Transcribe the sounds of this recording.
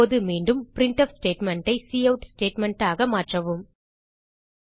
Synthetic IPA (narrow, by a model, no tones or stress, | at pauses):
oːðɯmiːɳɖɯmpɪɾɪɳʈɐfsʈeːʈmɛɳʈɐɪsiːɐʊʈsʈeːʈmɐɳʈaːɣɐmaːʈrɐʋɯm